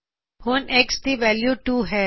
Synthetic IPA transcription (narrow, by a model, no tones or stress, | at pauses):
hoːneksʈiʋɛːljuʈuːɦɛː